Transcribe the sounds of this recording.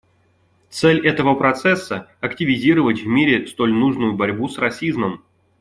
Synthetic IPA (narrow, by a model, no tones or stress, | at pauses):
t̪sɛlʲɛt̪əvəpɾɐt̪sɛsːəɐktʲɪvʲɪzʲiɾəvətʲvmʲiɾʲɪst̪o̞lʲnuʐnʊjʊbɐɾʲbusrɐsʲizməm